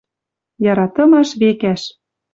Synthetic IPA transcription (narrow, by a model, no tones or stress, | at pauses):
jɑɾɑt̪ɤ̆mɑʃβekæʃ